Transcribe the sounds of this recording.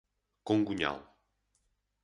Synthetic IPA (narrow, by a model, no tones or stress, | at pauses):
kõŋɡuɲa̰lˠ